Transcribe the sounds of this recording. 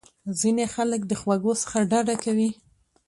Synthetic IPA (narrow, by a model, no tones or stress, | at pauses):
zinexalək̚d̪əxwaɡosə̥xaɖaɖakawi